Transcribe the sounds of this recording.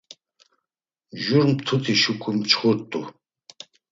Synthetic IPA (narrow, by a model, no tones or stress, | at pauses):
ʒuɾmt̪ʰut̪ʰʼiʃukʰumt͡ʃʰχʊɾt̪ʼṵ